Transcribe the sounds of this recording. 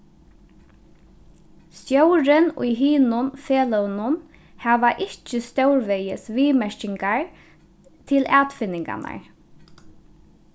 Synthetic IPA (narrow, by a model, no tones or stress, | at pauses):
st̪jœwɾɪnʊ̰jɦiːnʊnfeːlœwnʊn | hæːʋaʔɪht͡ʃɪst̪œwɹʋɛjɪsʋiːmɛɹcɪŋkaɹ | t̪ʰɪlæːt̪fɪnːɪŋka̰na̰ɹ